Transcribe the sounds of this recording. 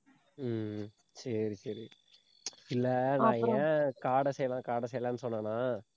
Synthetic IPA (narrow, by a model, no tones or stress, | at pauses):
sɐɾisɐɾi | ɪlːɐnãːɛkaːɽɐsɛjːɐlãːkaːɽɐsɛjɐlãːnːɯsɔnːɐ̃ːnãː